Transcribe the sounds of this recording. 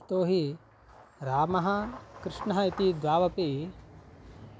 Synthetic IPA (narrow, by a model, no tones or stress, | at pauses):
t̪oːɦi | ɾaːmɐɦɐkɾɪʂɳɐɦɐit̪id̪ʋaːʋɐpeː